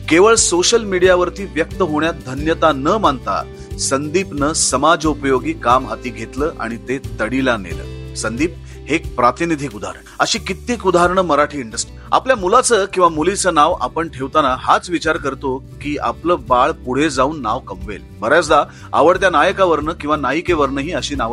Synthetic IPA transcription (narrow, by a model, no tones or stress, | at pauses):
keʋəɭsoɕəlmiɽijaʋəɾt̪iːʋjək̚t̪əɦoɳjat̪̚d̪ʱənjət̪anəmaɳt̪a̰ | sənd̪iːpnəsəmad͡zəupəjoɡiːkamɦat̪iːɡʱet̪ləːʔa̰ɽ̃it̪et̪əɽilanḛlə̰ːsənd̪iːp̚ | hek̚pɾat̪inid̪ʱiːkud̪ʱa̰ɾəɳəɕiːkit̪iːkud̪ʱaɾəɳəməɾaʈʰiːiɳɖəsʈi̥ | a̰pljamulat͡səkĩw̃ʋamulit͡səːnaʋa̰pəɳʈʰeʋt̪anaɦat͡sʋit͡ɕaɾkəɾt̪okiːa̰pləːbaɭpuɽ̤ed͡zauːnːaʋkəmʋḛlbəɾjasd̪a | a̰ʋəɽt̪̬janajəkaʋəɾnəkĩw̃ʋanajikeʋəɾnəɦiːəɕiːnaʋ